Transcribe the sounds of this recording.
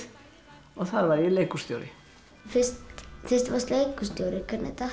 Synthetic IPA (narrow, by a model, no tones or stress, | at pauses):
ɔɣθaɾvaɾilejkust̪jowɾɪ̰ | fɪstθɪst̪vast̪lejkust̪jowɾɪkʰaɾnɛ̰t̪a